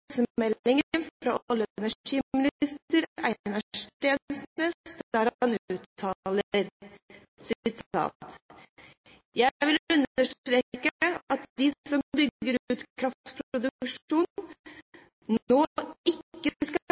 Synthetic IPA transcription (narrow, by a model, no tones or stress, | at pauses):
səmɛlɪŋənɾɑɔlːəɛnæiːmɪnɪst̪əɾæɪnəʂt̪eːnsnəsd̪æɾhɑnʉːt̪ʰːɑləɾ | sɪt̪ʰɑ̰ːt̪ | jæʋɪlʉnːəʂʈɾeːkəɑt̪d̪ɪsɔmbʏɡɡəɾʉːt̪kʰɾɑft̪pʰɾpɾʊd̪ʉkʂuːn | noːɪkːəskɑ